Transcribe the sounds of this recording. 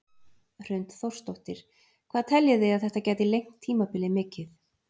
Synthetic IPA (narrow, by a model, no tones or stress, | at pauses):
r̥ʏɥnt̪θowr̥st̪oht̪ɪɾ̥ | kʰv̥aːðt̪ʰɛljʏðejaðθɛht̪acɛːjt̪ɪlejŋ̥t̪ʰːiːmapɪlɪmɪːcɪθ